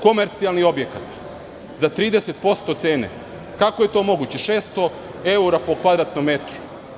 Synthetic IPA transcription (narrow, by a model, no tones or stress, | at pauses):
ko̞meɾt̪sialˠnio̞bje̞kat̪ | zat̪ɾiːd̪ese̞t̪po̞st̪o̞t̪se̞ːne̞̰ | kakoje̞t̪o̞mo̞ɡut͡ɕeʃeːst̪o̞ | e̞uɾapo̞kʋad̪ɾat̪nomːe̞t̪ɾu̥